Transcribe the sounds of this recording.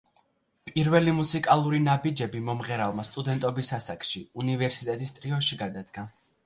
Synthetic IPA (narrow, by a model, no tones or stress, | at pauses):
pʼiɾvɛlimusikʼalˠuɾinabid͡ʒɛbimɔmʁɛɾavmast̪ʼud̪ɛnt̪ʼɔbisasakʼʃiunivɛɾsit̪ʼɛt̪ʼist̪ʼɾiɔʃiɡad̪ad̪ɡa